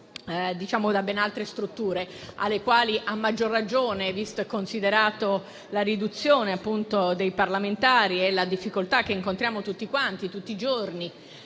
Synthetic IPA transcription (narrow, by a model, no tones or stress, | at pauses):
d̪it͡ʃaːmod̪abɛnalt̪ɾest̪ɾut̪ːuːɾea̰lːekwaːliʔamːad͡ʒːorːad͡ʒoːnevist̪oɛkːonsid̪eɾaːt̪o | larid̪ut̪sːjoːneapːunt̪od̪ejparlament̪aːɾiɛlad̪ifːikolt̪ak̟ːeiŋkont̪ɾjaːmot̪ut̪ːikwant̪it̪ut̪ːid͡ʒorni